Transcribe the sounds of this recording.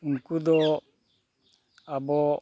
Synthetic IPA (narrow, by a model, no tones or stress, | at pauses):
ŋ̩kud̪ɔ | abɔ